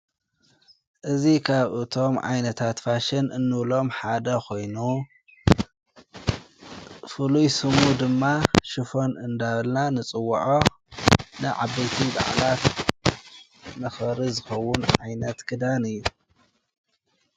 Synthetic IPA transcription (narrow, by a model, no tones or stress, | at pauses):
ʔɨzikʰaβʔɨt̪ʰo̞mʕa̰jnɐt̪ʰat̪faʃɪnʔɨnːɨβlo̞mħad̪ɐkʰo̞jnu | fɨlujsɨmud̪ɨmːaʃɨfo̞nɨnd̪aβɐlnanɨt͡sʼɨwːɐʕo | nɨʕabɐjt̪ʰiba̰ʕlat̪ | nɐxɐɾɨzɨxɐwːʊnʕajnɐt̪kʰɨd̪anɨjːu